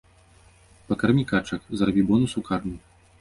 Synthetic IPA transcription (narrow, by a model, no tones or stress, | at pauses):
pɐkɐrmʲikat͡ʂɐkzrabʲiwbɔnusukarmʲi